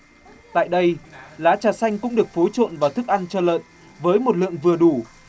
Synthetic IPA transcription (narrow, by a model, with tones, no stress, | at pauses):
t̪a̰ː˧˨jɗə˧jlaː˨˦t͡ɕaː˨˩sa˧jŋ̟kʊ̰˧˥ŋ͡mɗɨ˨˩ək̚fo˨˦jt͡ɕo̰˧˨nvaː˨˩wt̪ʰɨ˦˥k̚ʔa˧nt͡ɕɔ˧lə̰ː˧˨n | vəː˨˦jmo˨˩t̚lɨ̰˧˨əŋvɨ˨˩əɗu˧˩